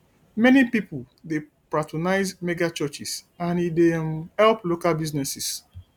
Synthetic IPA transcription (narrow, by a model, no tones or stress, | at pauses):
mɛnipipʊl | de | pɹatɔnaɪzmeɡat͡ʃɔt͡ʃis | ãnidemhɛlplokalbiznɛsis